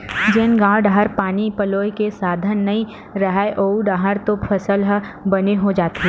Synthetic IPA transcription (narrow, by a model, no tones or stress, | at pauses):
d͡ʒeːnɡãːʊɖaɦəɾpaːnipɐloːjkesaːd̪ʱənːɐĩ | ɾɐɦaeʔoːɖaɦəɾt̪opʰɐsəlɦbɐneɦod͡ʒaːt̪ɦɛː